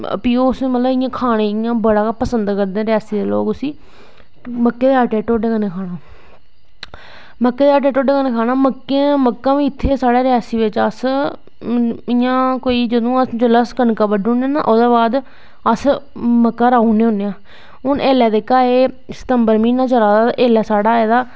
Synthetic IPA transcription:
ə̰piːoʊsmət̪ləbɪjãːkʰaːɽ̃ẽːɪjãːbəɽaːpəsənd̪kəɾd̪ẽːɾɪjaːsiːd̪eːlo̰ːkʊsiː | məkːeːd̪eːaːʈeːʈoːɖeːkəneːkʰaːɽ̃aː | məkːeːd̪eːaːʈeːʈoːɖeːkənẽːkʰaːnãːməkːẽːməkːãːʋĩːɪt̪ʰːeːsaːɽeːɾɪjaːsiːʋɪt͡ʃəs | ɪjãːkoːiːd͡ʒəd̪õːəsd͡ʒələskənkabəɖũːnẽːna̰ːʔoːd̪aːbaːd̪ | əsməkːaːɾaːuneːɦʊ̃nejãː | ʊnʔeːlɛːd̪eːkaːeː | st̪əmbəɾmĩːnãːt͡ʃəɾaːd̪aːʔeːlɛːsaːɽaːɛːd̪aː

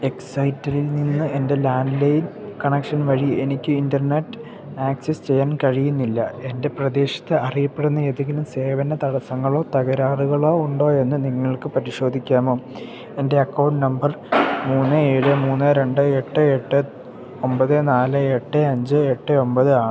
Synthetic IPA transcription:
e̞ksɐjtːɐɾilninːɨe̞nde̞laːnlejinkɐɳekʂɐnʋɐɻie̞nikʲːɨindɐrne̞tːɨ̥ | aːksest͡ɕe̞jːaːnkɐɻijunːilːɐe̞nde̞prɐd̪e̞ːɕɐ̥t̪ːɨɐrijɐpːe̞ɽunːɐeðeŋɡʲilumse̞ːʋɐnɐt̪ɐɽɐsɐŋːɐɭo̞ːt̪ɐɣɐɾaːruɣɐɭo̞ːuɳɖo̞ːe̞nːɨniŋːɐɭkɨpɐɾiɕo̞ːd̪ʱikʲːaːmo̞ː | e̞nde̞ɐkːɐwɳʈnɐmbɐrmuːnːɨeːɻɨmuːnːɨɾe̞ɳɖɨeʈːɨeʈːɨ | o̞mbɐðɨnaːlɨe̞ʈːɨɐɲd͡ʑɨeʈːɨo̞mbɐðɨaːɳ

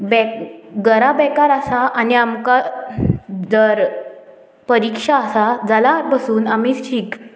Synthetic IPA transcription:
bɛkɡəɾabɛkaɾasaʔaniamka | d͡zəɾ | pəɾikʂaːsad͡zalaɾbəsuːnamiːt͡sɕik

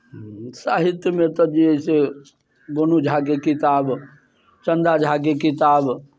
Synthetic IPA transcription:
saːɦɪt̪jəmẽt̪ɔd͡ʒise | ɡonud͡ʒʱaːɡekɪt̪aːb | t͡ʃə̃nd̪ad͡ʒʱaɡekɪt̪aːb

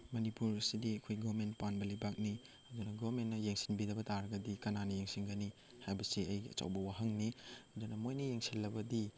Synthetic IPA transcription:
mɐnipuɾsidiɐkʰojɡoβɐɾmentpanbɐlɐjbak̚ni | ɐdunɐɡoɾmentːɐjeŋsi̥nbidɐbɐtaɾɐɡɐdikɐnanɐjeŋsinɡɐni | hajbɐsiɐjɐ̰t͡ʃa̰wbɐwaɦɐŋniɐdunɐmojnɐjeŋsilːɐbɐdi

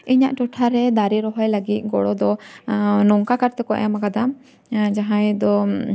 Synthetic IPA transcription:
iɲaʔʈɔʈʰaɾɛd̪aɾiɾɔɦɔjlaɡit̪̚ˀɡɔɽɔd̪ɔ | nɔŋkakaɾt̪ɛkɔʔjamakad̪am | d͡ʒaɦãjd̪ɔ

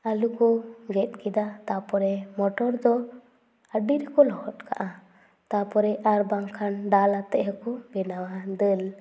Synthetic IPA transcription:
alukɔɡɛt̪̚kid̪at̪apɔɾɛmɔʈɔɾd̪ɔ | əɖiɾɛkɔlɔhɔt̪̚ka̰ʔa | t̪apɔɾɛaɾbaŋkʰanɖalat̪ɛʔɦəkɔbɛnawad̪əl

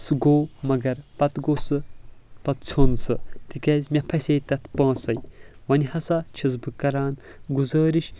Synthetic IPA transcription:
sɨɡoːmɐɡɐɾpɐt̪ɡoːsɨpɐt̪t͡sʰonsɨt̪ikʲɐːzʲmʲɐpʰɐsʲeːt̪ɐt̪ʰpɐ̃ːsɐjʋɐnʲhɐsɐt͡ʃʰizbɨkɐɾaːn | ɡuzɐːɾiʃ

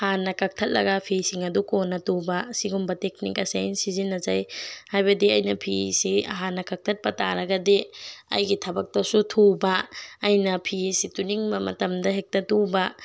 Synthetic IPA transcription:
hanːɐkɐk̚tʰɐt̚lɐ̰ɡɐpʰisiŋɐdukonːɐtubɐsiɡumbɐtek̚nḭkɐsajnsizinːɐzajhajbɐdiɐjnɐpʰisiɐ̰ɦanːɐkɐk̚tʰɐt̚pɐta̰ɾɐɡɐdeɐ̰jɡitʰɐbɐk̚tɐsutʰubɐːjnɐpʰisituniŋbɐmɐ̰tɐmdɐɦek̚tɐtubɐ

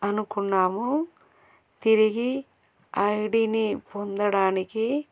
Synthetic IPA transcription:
ɐnukunːaːmu | t̪iɾiɡi | ɐjɽiːnipond̪ɐɽaːniki

